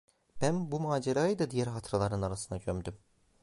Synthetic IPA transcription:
b̥ænbumaːd͡ʒeɾaɯd̪ɯd̪ijæɾɦat̪ʰɯɾalˠaɾɯnaɾasɯnd̪aɟʰømd̪ym

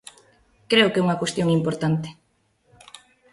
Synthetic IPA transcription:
kɾeʊkɛuŋɐkwest̪joŋimpoɾt̪ant̪ɪ̥

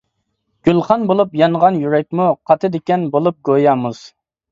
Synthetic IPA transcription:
ɡ̥ʲylˠχɑnbolˠupjɑnʁɑnjyɾɛk̚ʲmuqʰɑt̪ʰɨd̪ekʲɛnbolˠup̚ɡojɑːmuz̥

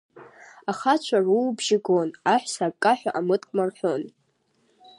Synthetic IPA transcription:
aχat͡ʃʷʰarulbʒɪɡonaħʷᶣsakʼːaħʷᶣaʔamɨtʼkʼmarħʷᶣon

